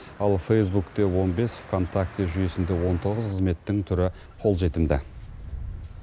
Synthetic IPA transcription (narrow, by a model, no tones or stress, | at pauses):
ɑlˠfejs̬bukt̪e̞wo̞nbe̞sfkʰo̞nt̪ʰak̚t̪eʒʏje̞sɪnd̪e̞wo̞nt̪ʰo̞ʁəzqʰəzme̞t̪ːɪŋt̪ʰʏɾɪ | qʰo̞lˠʒe̞t̪ɪmd̪ɪ̰